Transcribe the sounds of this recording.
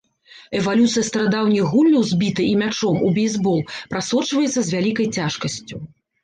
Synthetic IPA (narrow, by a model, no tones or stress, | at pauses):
ɛvalʲut̪sɨjɐst̪ɾad̪awnʲiɣulʲnʲɐwzʲbʲit̪ɨʔimʲat͡ʂɔmubʲɛjzʲbɔlˠpɾasɔt͡ʂvɐjɛt̪sɐzʲvʲalʲikɐjt͡sʲaʂkɐsʲt͡sʲu